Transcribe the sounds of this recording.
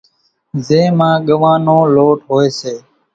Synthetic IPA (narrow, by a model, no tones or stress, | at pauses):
zẽːmãːɠəʋãːnõːloːʈɦoːeːseː